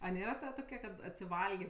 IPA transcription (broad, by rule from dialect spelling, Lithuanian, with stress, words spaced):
ɐ ˈnʲeːrɐ ˈtoːkʲɛ kɐt ɐtʲsʲɪˈʋɐlʲɡʲeː